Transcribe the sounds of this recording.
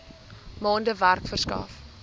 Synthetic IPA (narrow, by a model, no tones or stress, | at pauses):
mɑːndəværkfərskɑ̰ːf